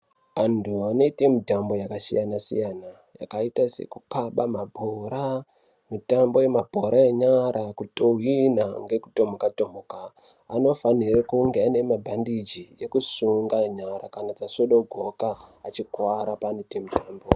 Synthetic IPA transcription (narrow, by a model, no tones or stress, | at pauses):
antʰuano̞ite̞midʱambo̞jakasḭjanasḭjana | ja̰kaitase̞̰kukaɓamabʱoɾa | mitambo̞je̞mabʱo̞ɾʔaeɲaɾʔakutowinaŋɡe̞ku̥to̞mokatomoka̰ː | no̞fanirekuŋɡeane̞mabʱandid͡ʒijekusuŋɡaeɲaɾa̰kanad͡zasoɗoɡʱo̞kaːt͡ʃikwaɾapaːnoitemutaːmbo